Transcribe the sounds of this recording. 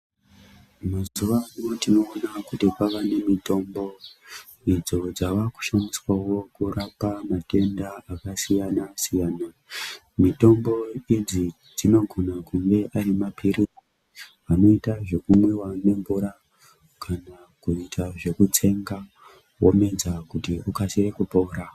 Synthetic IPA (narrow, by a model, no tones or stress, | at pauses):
mazuʋajutino̞ːnakutipaʋane̞mito̞mbo̞ | id͡zo̞d͡zaʋaku̥ʃaniswawo̞kurapamate̞ndaakasijanasijaːna | mito̞mbo̞id͡zi | d͡zino̞ɡʱo̞nakuŋɡe̞ʔaɾimapʰiri | ano̞itaʐe̞kumwe̞wane̞mbuɾa | kʰana | kuitʰaʐe̞kut͡se̞ŋɡa | wo̰me̞d͡zakutiukasirekupo̞ːɾa